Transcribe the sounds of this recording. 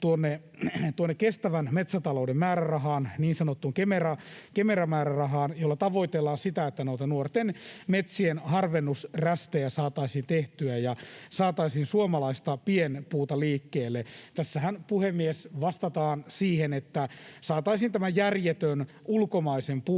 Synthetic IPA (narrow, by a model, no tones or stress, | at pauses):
t̪uonːe | t̪uonːekest̪æʋænmet̪sæt̪ɑloudemmæːɾærɑɦɑːnniːnsɑnot̪ːuŋkemerɑkemerɑmæːɾærɑɦɑːnjolːɑt̪ɑʋoit̪elːɑːnsit̪æet̪ːænoit̪ɑnuort̪enmet̪sienhɑrʋenːusræst̪ejæsɑːt̪ɑisiːnt̪eht̪yæjɑsɑːt̪ɑisiːnsuomɑlɑist̪ɑpienpuːt̪ɑliːkːeːlːet̪æsːæhænpuhemːiesʋɑst̪ɑt̪ɑːnsiːhenet̪ːæsɑːt̪ɑisiːnt̪æmæjjærjet̪øn | ulkomɑisempu